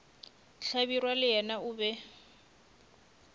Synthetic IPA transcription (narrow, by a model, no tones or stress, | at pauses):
ɬabirwalɪɛnaʊːbɛ